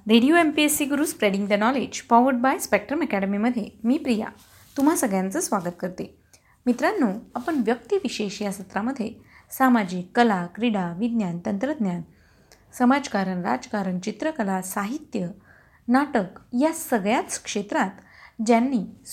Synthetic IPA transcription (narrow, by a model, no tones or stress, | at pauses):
ɾeɽijoempiesiɡuɾuːspɾeɽĩŋɡd̪ənɔled͡ʑfɔʋəɾɖ̚bajspek̚ʈɾəmɛkɛɽəmiməd̪ʱjemiːpɾija̰ | t̪um̤asəɡɭjãnt͡səːsʋaɡət̪̚kəɾt̪e | mit̪ɾanːuapəɳʋjəkt̪iʋiɕeɕjasət̪ɾaməd̪ʱːjesamad͡ʑiːkːəlakɾiɽaʋid̪njant̪ənt̪ɾəd̪ʱnjan | səmad͡ʑkaɾəɳɾa̰d͡zkaɾəɳt͡ɕit̪ɾəkəlasaɦit̪jə | naʈəkjasəɡɭjat͡s̪kʂet̪ɾat̪d͡ʑjanːiː